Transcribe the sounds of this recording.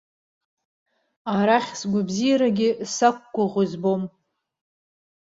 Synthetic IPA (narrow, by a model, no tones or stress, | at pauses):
aɾaχʲsɡʷabzijaɾaɡʲɪsakʷːaʁʷʊzbom